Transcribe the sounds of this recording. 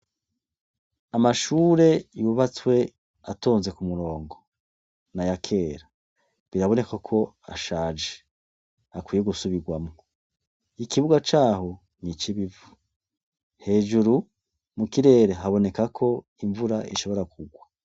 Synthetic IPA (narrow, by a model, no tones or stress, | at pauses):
amaʃuːɾe̞iβuβat͡swe̞ | a̰toːnze̞kumuɾo̞ːŋɡo | najakʰe̞ːɾa | βiɾaβo̞ne̞kakʰo̞ | a̰ʃaːd͡ʒe̥ | akwiːjeɡusuβiɡwamŋo | ikiβuɡat͡ʃaːho̞ | nit͡ʃiβivu | he̞ːʒuɾu | mukiɾe̞ːɾeɦaβo̞ne̞kakʰo̞ | iɱvuɾaḭʃo̞βo̞ɾakʰuɡwa